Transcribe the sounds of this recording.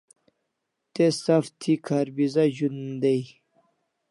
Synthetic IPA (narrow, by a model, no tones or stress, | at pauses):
t̪esaft̪ʰikʰaɾbizaʑund̪ej